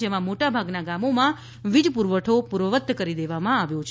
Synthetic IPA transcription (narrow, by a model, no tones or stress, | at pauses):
emãmoʈabʱaɡnaɡamomã | ʋid͡ʒpuɾʋəʈʰopuɾʋəʋət̪ːkəɾid̪eʋamãaʋjõt͡ʃʰ